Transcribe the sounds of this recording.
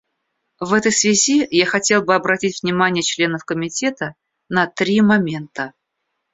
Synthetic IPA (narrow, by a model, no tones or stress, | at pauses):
vɛt̪əjsvʲɪzʲijaxɐtʲe̞lˠbɨɐbɾɐtʲitʲvnʲɪmanʲɪjət͡ɕlʲe̞nəfkəmʲɪtʲet̪ə | nɐt̪ɾʲimɐmʲe̞nt̪ə